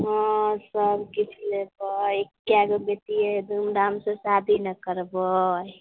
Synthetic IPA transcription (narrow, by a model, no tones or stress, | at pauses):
ɦɔsəbkit͡ʃʰlebəekːjaɡəbet̪ied̪umd̪amsə̃sad̪ʱinəkəɾbəj